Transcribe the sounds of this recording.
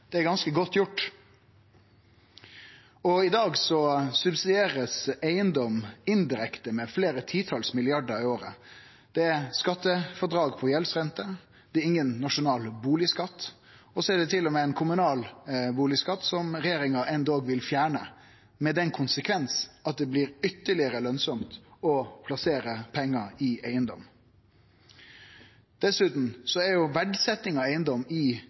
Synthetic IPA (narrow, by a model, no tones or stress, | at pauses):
d̪̥ɛæɾɡɑnskəɡɔt̪ːjʊʈː | ɔɪd̪ɑːɡsɔsʉbsɪd̪eːɾəsæɪənd̪ɔmɪnd̪ɪɾɛkt̪əmɛfleːɾət̪ʰiːt̪ʰɑlsmɪlɪɑɖəɾɪoːɾə | d̪̥ɛæɾskɑt̪ːəfɔd̪ɾɑːɡpʰɔjɛlsɾɛnt̪ə | d̪̥ɛæɪŋːənːɑʂʊnɑːlbuːlɪskɑt̪ː | ɔsɔæɖɛt̪ʰɪlːɔmɛɛnkʰʊmʉnɑːlbuːlɪskɑt̪ːsɔmɾɛjeːɾɪŋɑʔɛnd̪ɑːɡʋɪlfjæːɳə | mɛd̪ɛnkʰʊnsəkʰʋɛnsɑt̪̚d̪ɛbliːɾʏt̪ːəɭɪəɾəlœnsɔmt̪ɔpʰlɑseːɾəpʰɛŋːəɾɪʔæɪənd̪ɔ̰m | d̪̥ɛsʉːt̪n̩sɔæɾjʊʋæɖsɛt̪ːɪŋɑæɪənd̪ɔmɪ